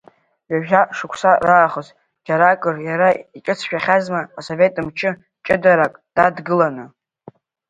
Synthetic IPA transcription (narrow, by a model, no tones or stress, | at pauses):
ɥaʒʲᶣaʂɨkʷʰsaraːχəz | d͡ʒaɾakʼɨrjaɾait͡ʃʼɨt͡sʰʃᶣaχʲazmaːso̞ve̞tʼɨmt͡ʃʰɨ | t͡ʃʼɪdaɾakʼd̥adɡɨlanɨ